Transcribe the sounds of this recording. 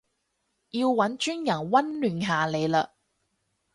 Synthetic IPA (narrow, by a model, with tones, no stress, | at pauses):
jiː˧wwɐ˨˥nt͡ʃyː˥njɐ˨˩nwɐ˥nlyː˨nɦaː˨le˨˧jlaː˧